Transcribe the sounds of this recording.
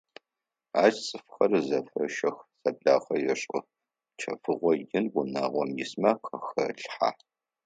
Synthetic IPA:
aːt͡ʃt͡sʼɨfxɐrzɐfɐ̰ʃɐxsɐbɮaːχɐjɛɕʼʊ | t͡ʃʰɐfɨʁʷɔjɪnwʊnaːʁʷɔmjɪsmaqʰɐxɐɬħa̰ː

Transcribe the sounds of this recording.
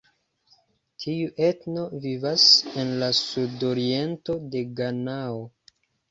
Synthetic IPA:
tʰiuʔe̞tno̞vivase̞nlasudo̞ɾie̞nto̞de̞ɡanao̞

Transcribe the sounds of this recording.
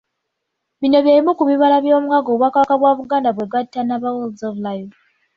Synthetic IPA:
βino̞βjaɾimukuβiβalaβjo̞ːmwaɡoβwakakaβwaːβuɡaːndaβweɡatːanaβawolzovlajo

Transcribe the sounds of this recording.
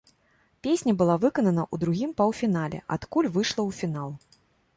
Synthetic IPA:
pʲesʲnʲɐbɨlˠavɨkɐnɐnɐʔud̪ɾuɣʲimpɐwfʲinalʲɛ̰ʔa̰t̪kulʲvɨʂlˠɐwfʲinalˠ

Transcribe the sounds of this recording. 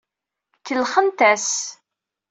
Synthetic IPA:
kːəlχənt̪æs

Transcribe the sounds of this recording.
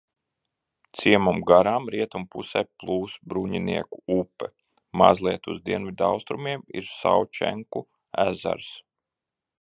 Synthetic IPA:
t̪siɛmumɡaɾaːmɾiɛt̪umpusɛplˠuːsbɾuɲinḭɛkuupːɛ | ma̰zlˠiɛt̪uzd̪iɛnvʲid̪awst̪ɾumiɛmḭɾsa̰wt͡ʃɛ̰ŋku | æza̰ɾs

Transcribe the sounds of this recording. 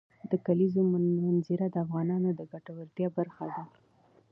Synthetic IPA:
d̪əkalizommanziɾad̪əafɣɑnɑnod̪əɡaʈawaɾt̪jɑbaɾxad̪a

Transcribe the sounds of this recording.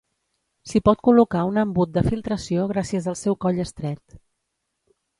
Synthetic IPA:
sipɔt̪̚kulukaunəmbut̪̚d̪əfilˠt̪ɾəsioɣ̞ɾasiəzəlˠsɛwkɔʎəst̪ɾɛt̪

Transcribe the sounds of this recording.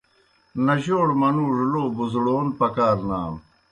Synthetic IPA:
nɐʑoːɽmɐnuːʐloːbuzɽoːnpɐkaːɾnaːm

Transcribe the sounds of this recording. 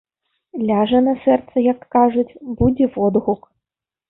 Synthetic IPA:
lʲaʐɛnɐsɛrt̪sɐjakːaʐɨtʲbudʲɛvɔd̪ɣʊk

